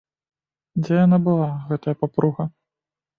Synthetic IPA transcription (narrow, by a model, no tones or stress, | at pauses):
d͡zʲɛjanabɨlˠaɣɛt̪ɐjɐpapɾuɣɐ